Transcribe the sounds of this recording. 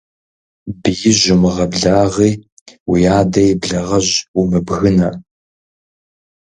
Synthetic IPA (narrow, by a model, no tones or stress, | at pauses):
bɨjɪʑʷʊmɨʁɐbɮaːʁiː | wijaːdɐjbɮɐʁɐʑumɨbɣɨnɐ